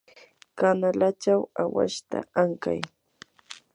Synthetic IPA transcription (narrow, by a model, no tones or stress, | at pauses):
kanalat͡ʃawawa̰ʃt̪a̰aŋka̰j